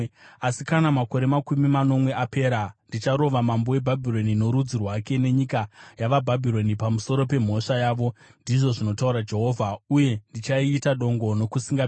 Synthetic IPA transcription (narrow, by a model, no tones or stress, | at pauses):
asikanamako̞ɾe̞makumimano̞mwe̞ape̞ːɾandit͡ʃaɾo̞ʋamambo̞we̞bʱabʱiɾo̞nino̞ɾud͡zirwake̞ne̞ɲikajaʋabʱabʱiɾo̞nipamuso̞ɾo̞pe̞m̤o̞ʂajaːʋo̞ndiʐo̞ʐino̞tauɾad͡ʒe̞ɦo̞ːvʱauje̞ndit͡ʃaiːtaɗo̞ŋɡo̞no̞kusiŋɡa